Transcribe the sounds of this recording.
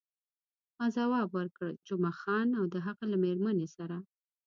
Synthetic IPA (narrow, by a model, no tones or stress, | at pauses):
mɑzawɑbwəɾkəɽd͡ʒʊmɑxɑnawd̪əɦaqalameɾmanesaɾa